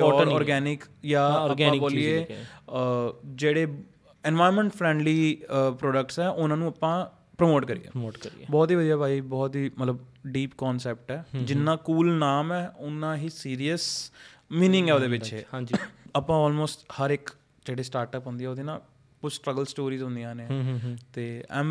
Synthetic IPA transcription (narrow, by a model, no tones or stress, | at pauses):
ɔːɾɔːɾɡɛːnɪkjaːəɡãːboːlɪeː | d͡ʒeːɽeː | ɛ̃ːnʋaːɪɾmɛ̃ɳʈpʰɾɛ̃ːɳɖliːpɾɔːɖək̚ʈsɛːʔʊnãːnũːəpãː | pɾəmoːʈkəɾḭjḛːkɾbɔːt̪ɦiːʋəd̪ijaːbʱaːibɔːt̪ɦiːmət̪ləbɖiːpkɔːnsɛːp̚ʈɛːd͡ʒɪnːãːkuːlnaːmɛːʊnːãːɦiːsiːɾijəs | miːnɪ̃ŋɡɛːoːd̪eːʋɪt͡ʃẽd͡ʒiapãːɔːlmoːsʈhəɾɪk | d͡ʒeːɽeːsʈaːɾʈəpɦʊ̃nd̪iːɛːoːd̪eːnãː | pʊsʈɾəɡəlsʈoːɾiːzɦʊ̃nd̪ijãːnet̪eːɛ̃ːm